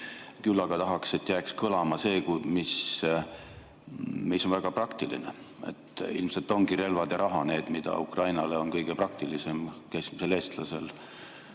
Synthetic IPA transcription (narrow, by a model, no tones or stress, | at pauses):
kylːɑɡ̥ɑt̪ɑɦɑkse̞t̪ːˑjæːkskɤlɑmɑse̞ːkumis | miso̞nvæɡ̥ɑprɑkt̪ilḭnḛ | e̞̰t̪ːḭlmse̞lt̪ːˑo̞ŋɡ̥iɾe̞lvɑd̪̥jɑɾʔɑɦɑne̞ːd̪̥mid̪̥ɑ̰ukrɑjnɑleo̞nkɤjɡ̥epɾɑk̚t̪ilise̞mkæjsmiseleːst̪lɑse̞l